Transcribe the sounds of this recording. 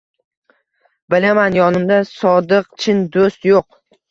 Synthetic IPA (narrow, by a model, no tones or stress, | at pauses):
bɪlamanjɒnɪmd̪asɒd̪ɨq̚t͡ʃʰɪnd̪ost̪joq̚